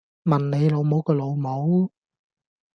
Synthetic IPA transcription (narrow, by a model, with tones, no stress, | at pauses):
mɐ˨˩nne˨˧jlo˨˧wmo˨˥wkɔː˧lo˨˧wmo˨˥w